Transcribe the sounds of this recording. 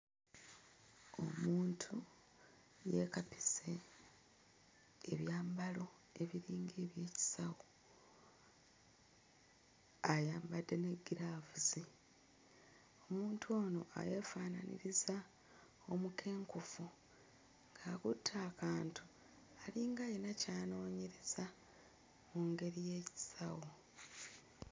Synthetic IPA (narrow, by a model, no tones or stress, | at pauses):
o̞muːntʰu | je̞kapi̥se̞ | βjaːmbalo̞ | e̞βiɾiːŋɡeːβje̞ːci̥sawo | ajaːmbadːe̞ne̞ɡiɾavuzi | o̞muːntʰuo̞ːno̞̰a̰jefaːnanḭɾiza | o̞mukʰe̞ːŋkufu | ŋɡakutʰːaːkaːntu | aliːŋɡajenacaːno̞ːɲeɾeza | muŋɡe̞ɾije̞ːci̥sawo